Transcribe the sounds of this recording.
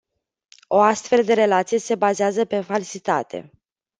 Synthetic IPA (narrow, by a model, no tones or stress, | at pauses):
o̞ast̪fe̞ld̪e̞ɾe̞lat̪sije̞se̞bazeazəpe̞falsit̪a̰t̪ʰe̞̰